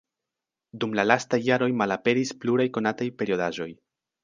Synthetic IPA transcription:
dumlalastajːaɾo̞jmalape̞ɾispluɾajko̞natajpe̞ɾio̞daʒo̞j

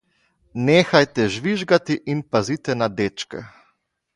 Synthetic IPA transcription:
neːxajt̪ɛʒʋiʒɡat̪iʔinpazit̪ɛnad̪eːt͡ʃkɛ̰

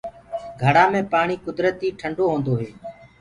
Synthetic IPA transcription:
ɡʱəɽãːmẽːpaːɳiːkʊd̪ɾət̪iːʈʰəɳɖoːɦõːnd̪oːɦeː

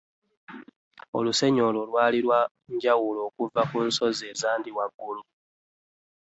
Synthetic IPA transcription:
o̞̰luse̞ɲo̞lo̞lwaːliɾwa | ɲɟawulo̞ːkuvakunso̞zeːzaːndiwaɡːulu

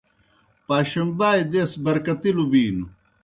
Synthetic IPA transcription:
paːɕɐmbaːjd̪esbɐɾkɐt̪ilubiːnu

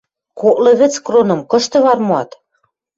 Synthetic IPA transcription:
koʔlĕβɘ̆t͡skronɤ̆mkɤ̆ʃt̪ɤ̆βɑrmoɑt̪

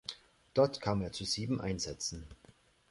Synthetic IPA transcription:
d̥ɔɐtkʰaːmeːɐt͡suz̥iːbm̩ʔa̰ɪnzɛt͡sn̩

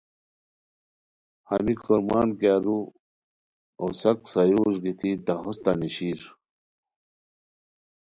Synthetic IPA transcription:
hɐmikoɾmaːnkaːɾu | osɐksɐjuːʐɡit̪id̪ɐɦost̪aniɕiːɾ

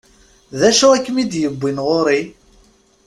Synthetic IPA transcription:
ðæʃuækːmid̪jəbʷːinʁoɾi

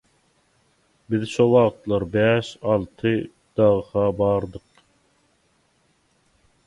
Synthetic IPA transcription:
bɪðʃowɑʁt̪lˠɑɾbɛʃɑlˠt̪ʰɨ | d̪̥ɑʁəʁɑbɑɾd̪əq

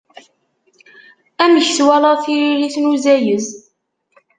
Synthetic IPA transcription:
æməçθwæləʁθiɾiliθnuzæjəz

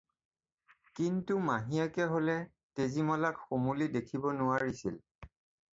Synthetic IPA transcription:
kintumaɦiakɛɦolɛ | tezimɔlakxomulidekʰibɔnʊaɹisḭl

